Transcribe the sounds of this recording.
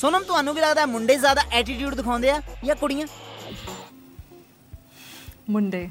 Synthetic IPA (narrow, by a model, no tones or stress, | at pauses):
sʊnəmt̪ʊɦaːnũːʋiːləɡd̪aːɛmʊɳɖeːzjaːd̪aːʔɛːʈ̬iːʈ̬juːɖd̪ɪkʰãːnd̪eːaːjãːkʊɽijãː | mʊɳɖeː